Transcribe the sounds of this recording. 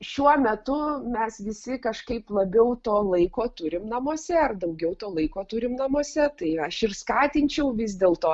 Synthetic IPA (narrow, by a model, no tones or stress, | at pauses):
ʃʲuɔmʲɛt̪ʊmʲɛsʋʲɪsʲɪkɐʃkɐɪplˠɐbʲɛʊt̪oːlˠɐɪkoːt̪ʊɾʲɪmnɐmoɔsʲɛɐrd̪ɐʊɡʲɛʊt̪oːlˠɐɪkoːt̪ʊɾʲɪmnɐmoɔsʲɛt̪ɐɪɐʃɪrskɑːt̪ʲɪnʲt͡ʃʲɛʊʋʲɪzʲd̪ʲeːlˠt̪oː